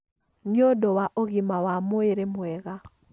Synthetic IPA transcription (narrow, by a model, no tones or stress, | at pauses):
ɲodowaʔoɣɪmawamoeɾemwɛɣa